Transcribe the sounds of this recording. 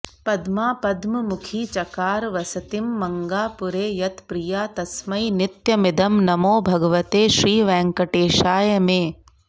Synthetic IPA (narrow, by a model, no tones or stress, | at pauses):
pɐd̪maːpɐd̪mɐmukʰiːt͡ʃɐkaːɾʋɐsɐt̪imːɐŋɡaːpuɾeːjɐt̪pɾijaːt̪ɐsmɐjnɪt̪jɐmɪd̪ʱɐmnɐmoːbʱɐɡɐʋɐt̪eːʃɾiːʋɛ̃ːŋkɐʈeːʃaːjɐmeː